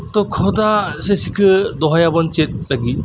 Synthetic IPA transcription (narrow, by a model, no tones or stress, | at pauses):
tɔkʰɔdasesikʰɯdɔɦajabɔnt͡ʃet̚laɡi